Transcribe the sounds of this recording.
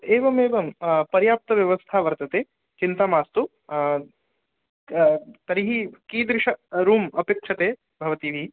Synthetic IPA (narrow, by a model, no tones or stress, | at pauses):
eːʋɐmeːʋɐmpɐɾjaːp̚t̪ɐʋjɐʋɐst̪ʰaːʋɐɾt̪ɐt̪eː | t͡ʃint̪aːmaːst̪u | t̪ɐɾiɦikiːd̪ɾɪʂɐɾuːmɐpeːkʂʰɐt̪eː | bʱɐʋɐt̪iʋi